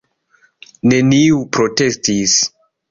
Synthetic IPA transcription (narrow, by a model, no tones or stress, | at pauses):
ne̞niupɾo̞te̞stis